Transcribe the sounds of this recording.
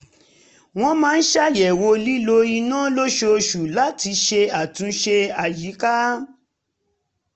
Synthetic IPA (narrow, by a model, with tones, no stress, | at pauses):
w̃ɔ̃˦mãː˨˦n̩˦ʃa˦jɛ˨wo˧li˦lo˧i˧nãː˦˨˦lo˦ʃo˧ʃu˨la˦ti˧ʃe˧a˨tũ˧ʃe˧a˨ji˨˦ka˦